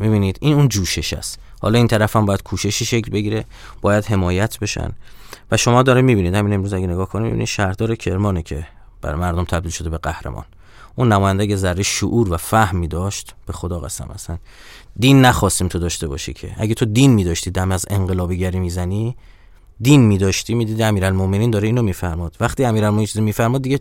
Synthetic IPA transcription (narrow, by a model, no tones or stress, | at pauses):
mibiːniːd̪iːnund͡ʒuːʃe̞ʃæ̰st̪ | hɒ̰ːlɒːiːnt̪ʰæɾæfæmbɒːjæd̪̥̚kʰuːʃe̞ʃiʃe̞kʰlbe̞ɟiːɾe̞ | b̥ɒːjæd̪ɦe̞mɒːjæt̪ʰbe̞ʃæ̰nvæʃo̞mɒːd̪ɒːɾimiːbiːnid̪hæminemɾuːzæɟʲeneɡɒːhkʰonimḭbḭnḭd̥̪ʃæɾhd̪ɒːɾecʰe̞ɾmɒːnecʰe | b̥æ̰ɾmæɾd̪omt̪ʰæb̚d̪iːlʃo̞d̪ebeɡæhɾḛmɒ̰ːn | ʔuːnːæmɒːjænd̪æɟezæɾːeʃoʔuːɾvæfæhmːiːd̪ɒʃt̪b̥e̞xod̪ɒːɣæ̰sæ̰mʔæ̰sæn | d̪iːnːæxɒːst̪iːmt̪ʰod̪ɒːʃt̪e̞bɒ̰ʃḭcʰḛʔæ̰ɟet̪ʰo̞d̪inmiːd̪ɒːʃt̪iːd̪æmæze̞ŋɢe̞lɒːbiɟæɾiːmiːzæni | d̪iːnmiːd̪ɒːʃt̪iːmiːd̪iːd̪iæmiːɾælmomeniːnd̪ɒːɾeiːnomiːfæɾmɒːd̪̥væxt̪iːæmiːɾælmoʔnint͡ʃʰizimiːfæɾmɒːd̪d̪ːiɟe